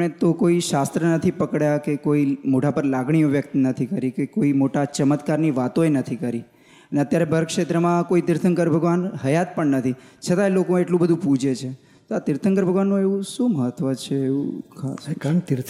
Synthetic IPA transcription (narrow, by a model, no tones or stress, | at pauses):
ɳet̪okoiʃast̪ɾənət̪ʰipəkɽjakekoimoʈʰapəɾlaɡɳ̃ijoʋjək̚t̪nət̪ʰikəɾikekoimoʈat͡ʃəmət̪kaɾniʋat̪oenət̪ʰikəɾi | əneət̪jaɾebʱəɾkʃet̪ɾəmãkoit̪ɪɾt̪ʰəŋkəɾbʱəɡʋanɦəjat̪̚pəɳnət̪ʰit͡ʃʰət̪aelokoeʈlũbəd̪ʱũpud͡ʒet͡ʃʰe | t̪oat̪ɪɾt̪ʰəŋkəɾbʱəɡʋanːũeʋũʃũməɦət̪ʋət͡ʃʰeːṵkʰa̰skaɳkt̪ɪɾt̪ʰ